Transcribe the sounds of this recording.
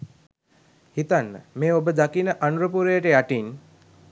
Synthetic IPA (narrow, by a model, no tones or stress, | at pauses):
hit̪anːə̰meːobəd̪akinəʔanuɾəpuɾəjəʈəjaʈin